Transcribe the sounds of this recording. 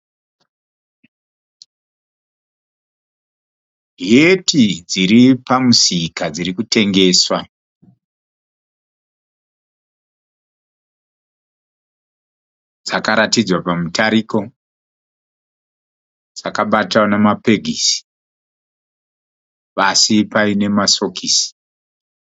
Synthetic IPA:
ɦietid͡ziɾipamusikad͡zirikute̞ŋɡe̞ːswa | d͡zakaɾatid͡zwapamutaɾiko̞ | d͡zakaɓataonamape̞ɡʱisi̥ | pasipaine̞maso̞kisi̥

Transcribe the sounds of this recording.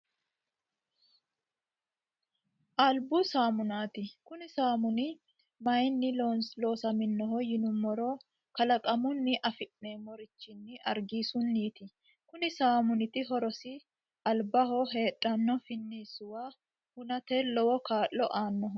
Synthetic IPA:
ʔɐlbʊsaːmʊnaːt̪ɪkʊnɪsaːmʊnɪ | mɐjnːɪlonlo̞ːsɐmɪnːɔɦɔjɪnʊmːɔɾoː | kɐlɐkʼɐmʊnːɪʔɐfɪʔneːmɔɾɪt͡ʃːɪnːɪɐ̰ɾɡiːsʊnːiːt̪ɪ | kʊnɪsaːmʊnɪt̪ɪɦɔɾɔsɪ | ʔɐlbɐɦɔɦe̞ːᶑʼːɐnːɔfɪnːiːsʊwaː | hʊnɐt̪elɔwɔkaːʔːɔʔaːnːɔɦɔ

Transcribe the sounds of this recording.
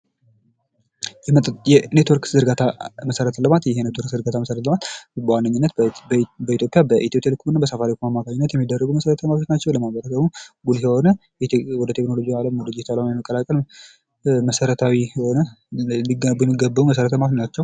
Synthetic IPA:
jɛjɛnet̪ʰoɾkzɨɾɡat̪ʰaməsəɾət̪ʰələmat̪jɛhenet̪ʰoɾkzɨɾɡat̪ʰaməsəɾət̪ləmat̪bəwanːəɲːɪnːət̪bəit̪ʰjo̞pʼjabəʔit̪ijopʼjalɨkʰumɨnːabəsəfaɾikʰumamːakʰaɲːɪnːət̪jɛmːid̪ːərːəɡuməsəɾət̪ʰəmat̪ʰot͡ʃnat͡ʃːɛwləmaβəɾəsəɡmoɡuljɛho̞nə | jɛwɔd̪ət̪ʰeknolo̞d͡ʒijaləmwɔd̪əd͡ʒet̪ʰalamajɛməkʼːəlakʼəl | məsəɾət̪ʰawihonəliɡəujɛmːiɡːəbːəuməs̬əɾət̪ʰəmat̪ot͡ʃnat͡ʃːɛw

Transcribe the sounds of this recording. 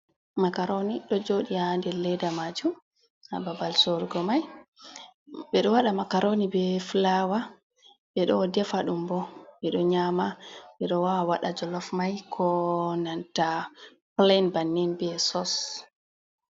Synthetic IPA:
makaɾoniɗɔd͡ʒoɗiandɛlɛdamad͡ʒum | a̰babalsoɾɡɔmaj | ɓɛɗɔwaɗamakaɾonibɛflawa | ɓɛɗɔdɛfaɗumbɔbɛɗɔɲamaɓɛɗɔwawaɗad͡ʒɔlɔfmajkʰɔnanta | plenbanːɛnbɛsɔs

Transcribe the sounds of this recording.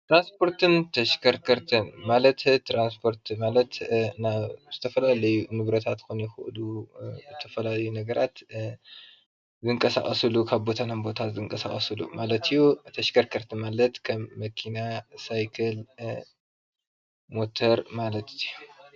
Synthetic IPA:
t̪ɾanspʰo̞ɾt̪ɨnt̪ʰɐʃkʰɐɾkʰɐɾt̪ʰɨnmalɐt̪t̪ɾanspʰo̞ɾt̪malɐt̪naβz̥ɨt̪ʰɐfɐlalɐjunɨβɾɐt̪ʰat̪kʰunjɛxɨʔluzɨt̪ʰɐfɐlalɐjunɐɡɐɾʔat̪ | zɨŋkʼɐsa̰χʼɐsɨlukʰaβbo̞t̪ʰanambo̞t̪ʰazɨŋkʼɐsa̰χʼɐsɨlṵmalɐt̪ɨjːut̪ʰɐʃkʰɐɾkʰɐɾt̪ʰɨmalɐt̪kʰɐmːɐkʰinasajkʰɐl | mo̞t̪ʰɐɾmalɐt̪ju

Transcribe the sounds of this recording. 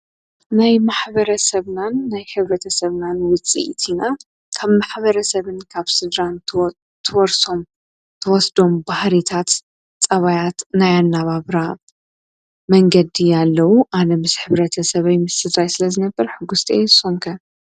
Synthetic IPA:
najmaħbɐɾɐsɐβnanːajħɨβɾɐt̪ʰɐsɐβnanwʊt͡sʼḭʔt̪ʰina | kʰaβmaħβɐɾɐsɐβɨnkʰaβsɨd̪ɾan | t̪ʰɨwɔɾsom | t̪ʰɐwɔsd̪o̞mbahɾit̪ʰat̪ | t͡sʼɐβajat̪najanːaβaβɾa | mɐŋɡɐd̪ijalːɐwuʔanɐmɨsħɨβɾɐt̪ʰɐsɐβɐjmɨsːɨd̪ɾajsɨlɐzɨnɐbːɐɾħɨɡust̪ʼesoŋkʰɐ

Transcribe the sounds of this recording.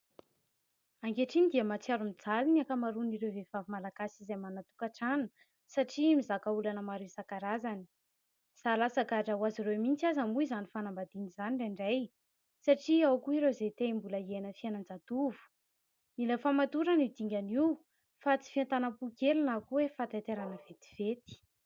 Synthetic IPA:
aŋɡeʈ͡ʂinid̪iəmat͡siaɾumid͡zaliniakamaɾuniɾewvevavimalaɡ̥asizejmanat̪u̥kaʈ͡ʂanə̥ | saʈ͡ʂimizakaulanəmaɾeizakaɾazani̥ | z̥alasaɡaʈ͡ʂawaziɾemint͡siazamuizanifanambad̪inizaniɳɖ͡ʐaɳɖ͡ʐaj | saʈ͡ʂiawkuiɾezet̪eimbuləienəfianand͡zat̪uvu̥ | nilefamat̪uɾanid̪iŋɡʲaniw | fat͡si̥fiant̪anəpukelunakuwefat̪at̪eɾanəv̥et̪i̥v̥et̪i̥

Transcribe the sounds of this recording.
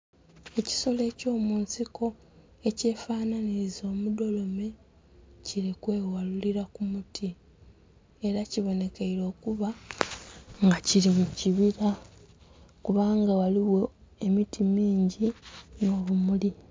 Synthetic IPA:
e̞ci̥so̞le̞ːco̞ːmuːnsiko̞ | e̞ce̞ːfaːnaniɾizo̞ːmudo̞lo̞me̞ | ciɾikwe̞ːwaluliɾakumutʰi | e̞ɾaciβo̞ne̞keiɾo̞ːkuβa | ŋɡaciɾimuciβiɾa | kuβaːŋɡawaliwo̞emitʰimiːɲɟino̞ːβumuli

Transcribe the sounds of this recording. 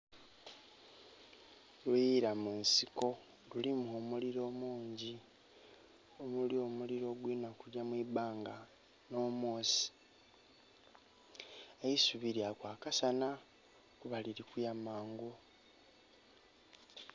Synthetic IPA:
lujiɾamunsiko̞ | lulimuomuliɾo̞ːmuːɲɟi | omulio̞muliɾo̞ɡwinakuɾjamwibaːŋɡa | no̞ːmo̞ːsi̥ | ejisuβiɾjakwaːkasana | kuβaliɾikujamaːŋɡo

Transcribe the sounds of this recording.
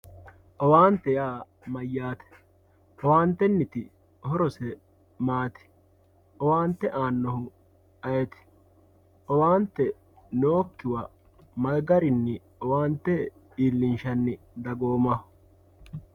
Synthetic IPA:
ʔɔwaːnt̪ːɛjaː | mɐjːaːt̪ɛ̥ | ʔɔwaːnt̪ːɛnːɪt̪ɪ | hɔɾɔsɛ | maːt̪ɪ̥ | ʔɔwaːnt̪ːɛʔaːnːɔhʊ | ɐjɛt̪ɪ̥ | ʔɔwaːnt̪ːɛ | noːkːɪwɐ | mɐɡɐɾɪnːɪ | ɔwaːnt̪ːɛ | iːlːɪnʃɐnːɪ | d̪ɐɡoːmɐhʊ

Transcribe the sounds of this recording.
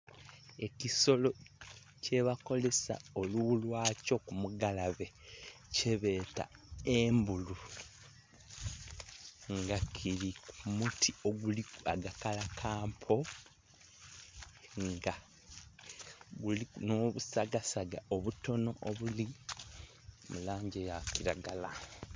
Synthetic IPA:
e̞ciso̞lo̞ | ce̞βako̞le̞sa̰o̞lulwaːco̞kumuɡalaβe̞ | ce̞βe̞ːta̰embulu | ŋɡakʰiɾikumutʰioɡuliaɡakalakʰaːmpʰo̞ | ŋɡa | ɡulinoːβusaɡasaɡa̰oβuto̞no̞ʔoβuli | mulaːɲɟejakiɾaɡala

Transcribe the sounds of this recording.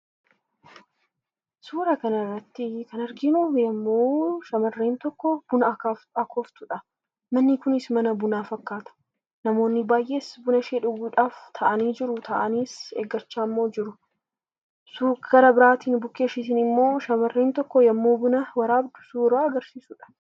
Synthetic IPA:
suːɾɐkɐnɐrːɐt̪ːɪkɐnɐɾɡɪnoːmjɐmːoːʃɐmɐrːeːnt̪ɔkːɔb̥ʊnɐkːɐkʰoːft̪ʊᶑɐ | mɐnːɪkʊnɪsmɐnɐbʊnaːfɐkːaːt̪ɐ̥ | nɐmo̞ːnːɪbaːjʔe̞ːsbʊnɐʃeːᶑʊɡuːᶑaːft̪ʰɐʔɐniːd͡ʒɪɾʊt̪ʰɐʔɐniːsḛːɡːɐt͡ʃːaːmːo̞ːd͡ʒɪɾʊ | suɡ̥ɐɾɐbɪɾaːt̪iːnbʊkːe̞ːʃiːt̪̬iːnɪmːo̞ːʃɐmɐrːeːnt̪ɔkːɔjɐmːoːbʊnɐwɐɾaːbd̪ʊ̥suːɾaːɐɡɐɾsiːsʊᶑɐ̥

